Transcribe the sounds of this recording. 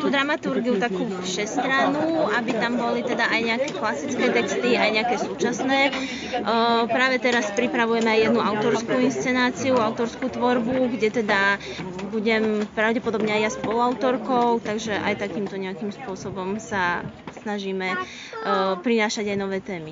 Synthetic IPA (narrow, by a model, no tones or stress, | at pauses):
t̪uːd̪ɾamat̪uɾɡiut̪akuːfʃɛst̪ɾanuabit̪ambɔlit̪ɛd̪aʔajɲɛakɛːklasit͡skɛːt̪ɛkst̪iajɲɛakɛːsuːt͡ʃasnɛː | pɾaːʋɛt̪ɛɾaspɾipɾaʋujɛmɛajjɛd̪nuaʊt̪ɔɾskuːinst͡sɛnaːt͡siuaʊt̪ɔɾskuːt̪ʋɔɾbuɡɟɛt̪ɛd̪a | buɟɛmpɾaʊɟɛpɔd̪ɔbɲɛajaspɔluaʊt̪ɔɾkɔʊt̪aɡʒɛʔa̰jt̪akiːmt̪ɔɲɛakimspʊɔsɔbɔmsasnaʒiːmɛ | pɾinaːʃaɟajnɔʋɛːt̪ɛːmi